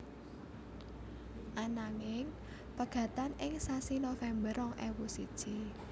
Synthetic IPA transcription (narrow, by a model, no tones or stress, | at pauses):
ʔanaŋɪŋ | pəɡ̥ä̤t̪anɪŋsasinofɛmbərɔŋʔɛwusid̥ʒ̥i